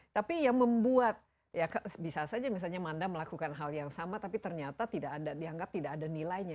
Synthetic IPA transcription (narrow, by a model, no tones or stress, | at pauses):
t̪apijaŋməmbuat̪̚ | jakasbisasad͡ʒamis̬alɲamandaməlakukanɦaljaŋsamat̪apit̪ərɲat̪at̪idaːdadiaŋɡap̚t̪idakːdanilajɲa